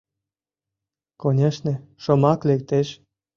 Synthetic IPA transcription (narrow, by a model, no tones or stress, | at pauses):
konʲeʃnĕʃɤ̆mɑklek̚t̪eʃ